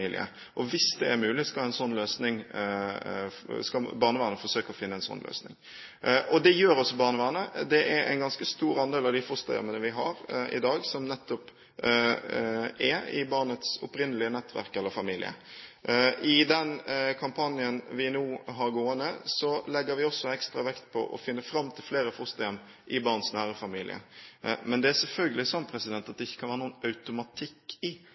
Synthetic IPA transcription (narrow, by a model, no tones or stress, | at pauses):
iːlɪ̰ə̰ | ʔɔʋɪsd̪ɛːɾmʉːlɪskɑlæɪnsɔnːløːsnɪŋ | skɑbɑːʁnəʋɑːnəfɔɾsøːkəɔfɪnːəæɪnsɔ̰nlʔø̰ːsnɪ̰ŋ | ʔɔd̪ɛjøːɾɔsːɔbɑːnəʋæːnəd̪ɛʔæɾæ̰ɪnɡɑnskəst̪uːɾɑnd̪eːlɑʋd̪ɪfɔst̪ɑjœ̰mənəʋɪɦɑɾɪ̰d̪ɑːɡsɔmnɛt̪ːɔp | ɛɪ̰bɑʁnət̪sɔ̰pɾɪnːəlɪənɛt̪ːʋæ̰ɾkɛlːəɾfɑmiːlɪ̰ə̰ | ɪd̪ɛnkʰɑmpʰɑnjənʋɪnuːɦɑɾɡoːənəsɔlɛɡːəɾʋɪɔsːɔɛkst̪ɾɑʋɛkt̪pʰɔ̰ʔɔ̰fɪnːəfɾɑmːt̪ʰɪlfleːɾəfʊst̪ɑɑm | ʔɪbɑʁnsnæːʁəfɑmiːlɪ̰ə̰mɛnd̪ɛæsɛlfœlɡəlɪsɔnːpʰɾɛsɪd̪ɛnt̪ɑt̪̚d̪ɛɪçːəkʰɑnʋæːɾənuːənɑʉt̪ʊmɑt̪ʰɪkːɪ